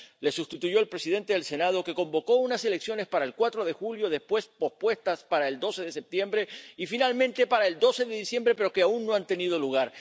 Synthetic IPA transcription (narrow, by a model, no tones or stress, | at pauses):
le̞sust̪it̪uʝo̞elpɾe̞siðe̞nt̪e̞ðe̞lse̞nað̞o̞ke̞ko̞mbo̞ko̞unase̞leksjo̞ne̞spaɾaelkwat̪ɾo̞ðe̞xuljo̞ðe̞spwe̞spo̞spwe̞st̪aspaɾae̞ld̪o̞se̞ðe̞se̞p̚t̪je̞mbɾe̞ifinalmẽnt̪e̞paɾaeld̪o̞se̞ðe̞ðisje̞mbɾe̞pe̞ɾokeaunːo̞ant̪e̞nið̞o̞luɣ̞aɾ